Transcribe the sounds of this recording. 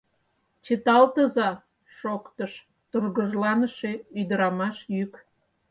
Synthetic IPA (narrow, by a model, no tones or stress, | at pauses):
t͡ɕət̪ɑlt̪əzɑ | ʃokt̪əʃ | t̪urɣəʒlɑnəʃe̽yd̪əɾɑmɑʃjyk